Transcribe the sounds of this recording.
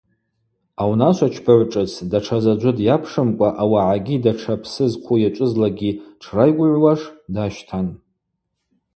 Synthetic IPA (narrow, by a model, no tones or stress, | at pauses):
awnaʃʷat͡ʃʰbʰaʕʷʈ͡ʂʼɨt͡sʰdaʈ͡ʂʰazad͡ʒʷʊdjapʰʂɨmkʷʼaʔawaʕaɡʲidaʈ͡ʂʰapʰsɨzqʷʰujat͡ʃʷʼɨzlaɡʲiʈ͡ʂʰrajɡʷʊʕʷwaʂdaʃtʰan